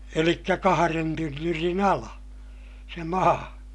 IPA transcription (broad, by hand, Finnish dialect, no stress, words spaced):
elikːæ kɑhɑren tynːyrin ɑlɑ se mɑː